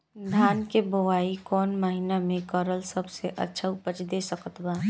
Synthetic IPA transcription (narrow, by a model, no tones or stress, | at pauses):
d̪ʱjaːnkeboʋaːikɔːnməɦinamẽkɔɾəlsəbseʔɐ̰tːʃʰaʊpət͡ʃd̪esəkət̪baː